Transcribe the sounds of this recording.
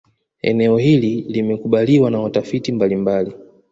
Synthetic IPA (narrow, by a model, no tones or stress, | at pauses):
ɛ̰nɛɔhililimɛkuɓaliwanawatafitimbalimbali